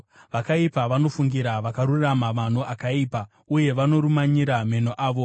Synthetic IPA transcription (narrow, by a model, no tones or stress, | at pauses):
ʋakaipaʋano̞fuŋɡiɾaʋakaɾuramaman̤o̞ʔakaiːpa | uje̞ʋano̞ɾumaɲiɾame̞no̞ʔaːʋo̞